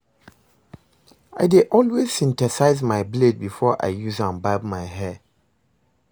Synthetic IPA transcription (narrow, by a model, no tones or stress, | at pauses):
aɪdeʔɔlwez̥sĩntɛsaɪzmaɪbled̚bifɔʔa̰ɪjuzãnbabmaɪɦɛ